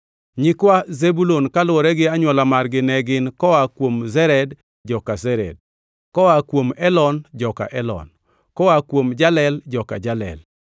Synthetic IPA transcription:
ɲɪkwazebulonkalʊɔɾɛɡɪaɲwɔlamarɡɪnɛɡɪnkɔwakwomzɛɾɛd | d͡ʒɔkazɛɾɛ̰d̚ | kɔwakwomɛlɔnd͡ʒɔka̰ʔɛlɔ̰n | kɔwakwomd͡ʒalɛld͡ʒɔka̰d͡ʒalɛ̰l

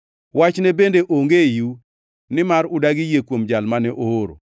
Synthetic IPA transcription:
wat͡ʃnɛbendeʔoŋɡeju | nɪmaɾʊdaɡɪjekwomd͡ʒalmanɛʔooɾo̰

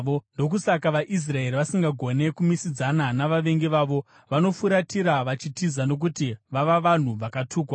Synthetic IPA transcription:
ondo̞k̬usakaʋaʔis̬rae̞ɾiʋasiŋɡaɡʱo̞ne̞kumisid͡zananaʋaʋe̞ŋɡeʋaːʋo̞ | ʋano̞fuɾatiɾaʋat͡ʃitizano̞k̬utiʋaʋaʋan̤uʋakatʰuːkwa

